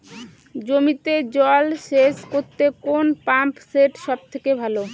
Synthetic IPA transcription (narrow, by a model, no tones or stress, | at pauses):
d͡ʑomit̪ed͡ʑɔlʃeʃkoɾt̪ekonpampseʈʃɔb̚t̪ʰekebʱalo